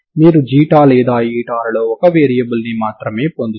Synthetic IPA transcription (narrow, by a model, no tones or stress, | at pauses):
miːɾud͡ʒiːʈaːlɛːd̪aːjiːʈaːɾɐloːɔkɐʋeːɾijɐbulnimaːt̪ɾɐme̞ːpond̪u